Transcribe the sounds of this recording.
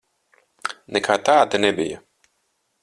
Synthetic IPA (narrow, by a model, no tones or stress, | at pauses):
nɛkʰaːt̪aːd̪anɛbija